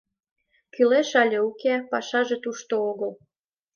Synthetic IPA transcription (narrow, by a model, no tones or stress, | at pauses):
kyleʃɑlʲeukepɑʃɑʒet̪uʃt̪ooɣəl